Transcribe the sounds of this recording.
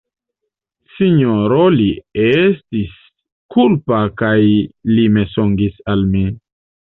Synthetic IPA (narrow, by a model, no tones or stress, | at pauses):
siɲoɾoliestis | kʰulpakajlime̞soŋɡisalmi